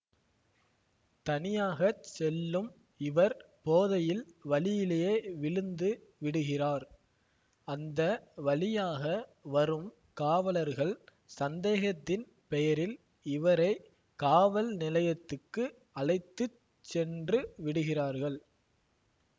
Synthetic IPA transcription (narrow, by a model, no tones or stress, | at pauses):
t̪ɐnɪjaːɣɐsɛlːɯm | ɪʋɐɾ | poːðɐjɪlʋɐɭɪjɪlejeːʋɪɭɯnd̪ɯʋɪɽɯɣɪraːɾ | ɐnd̪ɐʋɐɭɪjaːɣɐʋɐɾɯm | kaːʋɐlɐɾɣɐɭ | sɐnd̪eːɣɐt̪ːɪn | pɛjɐɾɪl | ɪʋɐɾɐɪ | kaːʋɐlnɪlɐjɐt̪ːɯkːɯ | ɐɭɐɪt̪ːɯ | t͡ʃːɛndrɯʋɪɽɯɣɪraːɾɣɐɭ